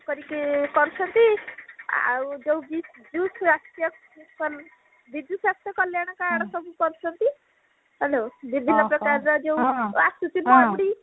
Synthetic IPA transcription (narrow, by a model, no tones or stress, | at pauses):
kɔɾikikɔɾut͡ʃʰɔnt̪i | a̰ud͡ʒewbid͡ʒusɾast̪ijɔ | kɔl | bid̪usast̪jɔkɔljaɽ̃ɔkaɽ̃ɔsɔbʱukɔɾut͡ʃʰɔnt̪i | ɦelowbibʱinːɔpɾɔkaɾɾɔd͡ʒewasut̪ibɔabuɽi